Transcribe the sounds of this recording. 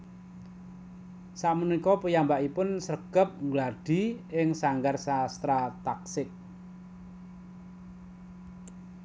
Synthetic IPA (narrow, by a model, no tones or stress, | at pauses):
saʔmənikɔpəjambaʔipʊnsəɡ̥əp̚ŋɡlaɖ̥i̤ɪŋsaŋɡarsast̪ɾat̪aksɪk̚